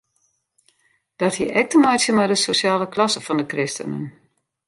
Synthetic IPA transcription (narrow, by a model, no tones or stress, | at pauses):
d̥ɔthiʔɛk̚təmajtsjəmadəsosjaːləklɑsəfɔndəkrɪstə̰nə̰n